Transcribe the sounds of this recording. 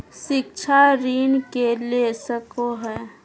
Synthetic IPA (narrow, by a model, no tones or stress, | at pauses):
ʃɪk̚t͡ʃʰaɾiːnkelesəkoɦɛː